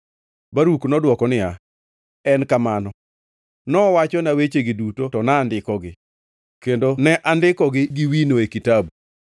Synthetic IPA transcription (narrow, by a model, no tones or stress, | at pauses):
baɾuknɔdwɔkɔnɪa | ɛnkamanɔ | nɔwat͡ʃɔnawet͡ʃeɡɪdutotɔnaːndɪkɔɡɪ | kendonɛʔandɪkɔɡɪɡɪwinoekitabu